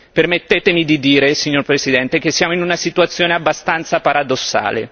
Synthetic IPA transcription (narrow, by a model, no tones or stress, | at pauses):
permet̪ːeːt̪emid̪id̪iːɾesiɲːorpɾesid̪ɛnt̪ek̟esːjaːmoinunasit̪uat̪sːjoːneabːast̪ant̪sapaɾad̪osːa̰ːlḛ